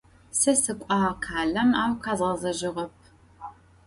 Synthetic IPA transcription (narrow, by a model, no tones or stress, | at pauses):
sɐsɨkʷʼɑːqʰaːɮɐmaːwqaːzʁɐzɐʒɪʁɐp̚ʰ